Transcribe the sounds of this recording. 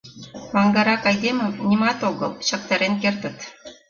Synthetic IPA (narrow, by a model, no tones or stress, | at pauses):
mɑŋɡɑɾɑkɑjd̪emə̆mnʲimɑt̪oɣə̰lˠɕɑk̚t̪ɑɾenk̬ert̪ə̆t̪